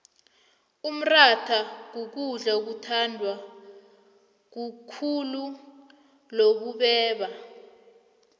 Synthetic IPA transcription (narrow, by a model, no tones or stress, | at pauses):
um̩ratʰak̬uk̬uɮaok̬utʰandʱwa | k̬ukʰulu | lok̬uɓɛːɓa